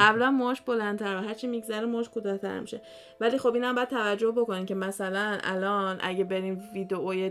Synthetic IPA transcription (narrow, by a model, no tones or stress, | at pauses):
æblænmoːʃbolænt̪ʰæɾvæɦæɾt͡ʃʰiːmiɡzæɾemoːʃkʰod̪æt̪ʰæ̰ɾmḭʃe | væliːxo̞binhæmbɒjæd̪t̪ʰævæd͡ʒːohbo̞koniːmcʰe̞mæsælænæ̰lɒːnʔæ̰ɟebe̞ɾiːmviːd̪eʔoje